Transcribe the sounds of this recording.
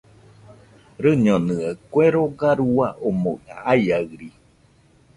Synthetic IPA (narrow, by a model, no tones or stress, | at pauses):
ɾɨɲonɨəkweɾoɡaɾuaʔomona̰aiaɯɾi